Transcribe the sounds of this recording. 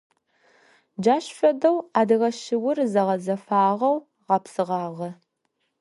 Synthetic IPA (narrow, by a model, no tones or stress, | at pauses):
d͡ʒaːɕfɐdɐwaːdɨʁɐʃɪwʊrzɐʁɐzɐfaːʁɐw | ʁɐpsɨʁɑːʁɐ